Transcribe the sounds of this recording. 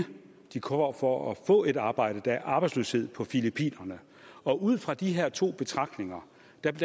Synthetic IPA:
d̥ikʰɒmɐfɒɒfɔ̰̽ːe̝dɑ̈ːb̥ɑ̈ɪ̰d̥əd̥ææɐʔɑ̈ːb̥ɑ̈ɪsløːshe̝ð̞̰ˠpʰɒ̽filipʰḭːnɐnə | ɒ̽ʔuð̰ˠfʁɑ̈d̥iɦeɐ̰t͡sʰo̝̰ːb̥e̝t͡sʰʁɑ̈ɡ̥̚d̥ne̝ŋɐ | d̥æ̥

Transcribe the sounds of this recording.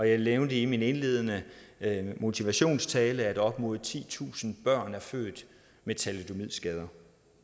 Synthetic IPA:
ɒ̽jɑ̈ɪleʊnd̥əimine̝nle̝̰ːð̞ˠənə | mo̝t͡sʰiʋæɕo̝̰ːnst͡sʰɛːləæd̥ɒ̽b̥mo̝ːð̩ˠt͡sʰḭːt͡sʰṵːsn̩b̥ɶɐ̰næɐfø̰ːd̥ | met͡sʰæled̥o̝mið̰ˠsɡ̥ɛð̞ˠɐ

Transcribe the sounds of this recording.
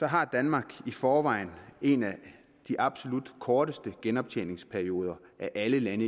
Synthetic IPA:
sɒ̽ɦɑ̈d̥ænmɑ̈ːɡ̥ifɒːʋɑ̈ɪne̝næ | d̥iʔɑ̈b̥so̝lud̥kʰɒːd̥əsd̥əɡ̥enɒ̽b̥̚t͡sʰḛne̝ŋspʰæɐio̝ːð̞ˠɐʔæʔæləlænə

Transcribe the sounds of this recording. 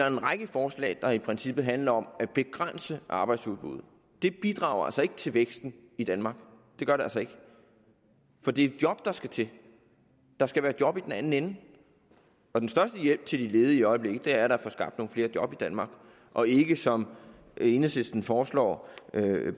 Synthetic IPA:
d̥ɑɐe̝nʁaɡ̥əfɒːslɛ̰ːd̥ɑ̈ipʰʁɛnsib̥ð̩ˠɦænlɐɒ̽mæ̥b̥e̝ɡ̥ʁan̰səʔɑ̈ːb̥ɑ̈ɪd̥suðˠb̥ṵð̞̩̰ˠ | d̥e̝b̥id̥ʁɑ̰̈ːʊɐæ̰lsɐe̝ɡ̥ət͡sʰe̝lʋeɡ̥sd̥n̩ | id̥ænmɑ̈ːɡ̥ | d̥e̝ɡ̥ɶɐɾeælsɒe̝ɡ̥ | fɒ̽d̥e̝d̥jɒ̽b̥̚d̥ɑ̈sɡ̥æt͡sʰe̝ | d̥ɑ̈sɡ̥æʋæːɐd̥jɒ̽b̥id̥enæn̩enn̩ | ɒ̽densd̥ɶɐsd̥əjel̰b̥̚t͡sʰe̝ld̥ile̝ːð̞ˠəiɒ̽ɪble̝ɡ̥ð̩ˠd̥e̝æɐɾɑ̈fɒsɡ̥ɑ̈b̥d̥no̝ːn̩fle̝ːɐd̥jɒ̽b̥id̥ænmɑ̈ːɡ̥ | ʔɒ̽e̝ɡ̥əsɒ̽m | e̝nəse̝sd̥n̩fɒːslɒ̰ː

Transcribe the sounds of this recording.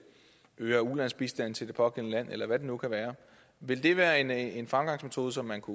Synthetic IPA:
øːɐulæn̰sb̥isd̥æn̰t͡sʰe̝ld̥e̝pʰɒ̽ɡ̥el̰nəlæn̰ʔelɐʋæd̥e̝nukʰæʋæːɐ | ʋe̝ld̥e̝ʋæːɐe̝nenfʁämɡ̥ɑ̈ŋsmet͡sʰo̝ːð̞ˠəsɒ̽mːænkʰu

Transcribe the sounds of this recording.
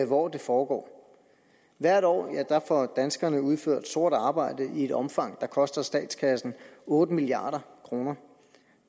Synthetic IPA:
ʋɒːd̥e̝fɒːɡ̥ɒ̰ː | ʋæɐ̰ɾ̥ɒ̰ːæd̥ɑfɒd̥ænsɡ̥ɐnəuðˠføɐ̰d̥sd̥o̝ɐ̰d̥ɑ̈ːb̥ɑ̈ɪ̰d̥əʔie̝ɾ̥ɒ̽mfɑ̈ŋ̰d̥ɑ̈kʰɒ̽sd̥ɐsd̥ɛ̰ːd̥skʰæsn̩ɔ̽ːd̥əmiliɑ̰̈ːɾ̥ɐkʰʁo̝ːnɐ

